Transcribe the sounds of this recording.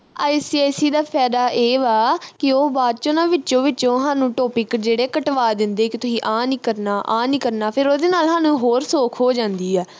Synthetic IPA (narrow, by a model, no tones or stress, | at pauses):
aːɪsiɛːsiːd̪aːpʰɛːd̪aːʔeːʋaːkɪoːbaːd̪t͡ʃoːnãːʋɪt͡ʃõːʋɪːt͡ʃõːɦaːnũːʈoːpɪkd͡ʒeːɽeːkəʈʋaːd̪ɪnd̪eːkɪt̪ʊsĩːʔãːniːkəɾnaːʔaːniːkəɾnaːpʰɪɾoːd̪eːnaːlɦãːnũːɦoːɾsoːkʰɦoːd͡ʒãːnd̪iːɛː